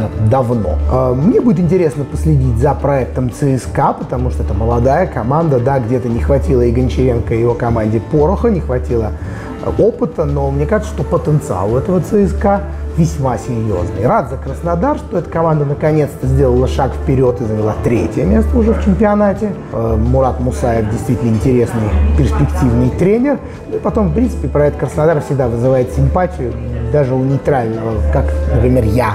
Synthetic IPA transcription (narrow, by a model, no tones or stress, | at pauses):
d̪ɐvno̞̰mnʲebudʲɪt̪ɨɪnʲtʲɪɾʲe̞snəpəsʲlʲɪdʲitʲzɐpɾɐɛk̚t̪əmt̪sɨɛskapət̪ɐmuʂt̪oɛt̪əməlˠɐd̪ajəkɐmand̪əd̪aɡdʲet̪ənʲɪxvɐtʲilˠəɪɡənʲt͡ɕɪɾʲenkəjɪvo̞kɐmanʲdʲɪpoɾʊxənʲɪxvɐtʲilˠə | o̞pɨt̪əno̞mnʲekaʐɨt̪səʂt̪opət̪ənt̪sɨa̰lˠɛt̪əvət̪sɨɛska | vʲɪsʲmasʲɪɾʲjo̰znɨ̰jrat̪zəkɾəsnad̪arʂt̪oɛt̪ə̥kɐmand̪ənəkɐnʲe̞t̪st̪əzʲdʲelˠəlˠəʂakfpʲɪɾʲo̞t̪ɨzəvʲɪlˠat̪ɾʲetʲɪjəmʲe̞st̪əʊʐɛft͡ɕɪmʲpʲɪɐnatʲɪ | mʊɾat̪mʊsajɪfdʲɪjst̪vʲitʲɪlnəɪnʲtʲɪɾʲe̞snɨjpʲɪrsʲpʲɪktʲivnɨjt̪ɾʲenʲɪr | nuipɐt̪o̞mfpɾʲint̪sɨ̥pʲɪpɾɐɛt̪əkɾəsnad̪aɾəfsʲɪɡ̚d̪avɨzɨvajɪt̪sʲɪmpatʲɪjʊd̪aʐɨʊnʲɪjt̪ɾalʲnəvəkaknəpɾʲɪmʲerja